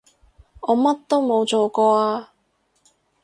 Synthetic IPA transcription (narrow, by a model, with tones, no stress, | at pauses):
ɔː˨˧mɐ˥t̚t̪o˥wmo˨˧wt͡soː˨kɔː˧aː˧